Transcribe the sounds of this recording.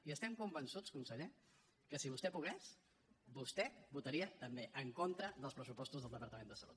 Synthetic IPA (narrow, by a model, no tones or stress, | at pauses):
iəst̪ɛmkumbənsut͡skunsəʎe | kəsiβust̪ɛpuɣɛs | bust̪ɛbut̪əɾiət̪əmbeʔəŋkont̪ɾəðəlˠspɾəsupɔst̪uzðəlˠd̪əpəɾt̪əmend̪əsəlṵt̪̚